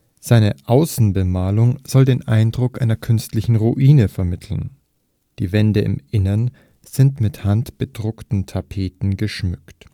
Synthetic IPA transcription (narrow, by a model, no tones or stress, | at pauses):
z̥aɪnəʔaʊsn̩bəmaːlʊŋz̥ɔldeːnʔa̰ɪndʁʊkʔaɪnɐkʰʏnstlɪçn̩ʁuʔiːnəfɛɐmɪtʰl̩n̩ | d̥ḭːvɛndəɪ̰mʔɪnɐn | z̥ɪntmɪthantb̥ədʁʊktn̩tʰapʰeːtn̩ɡəʃmʏkt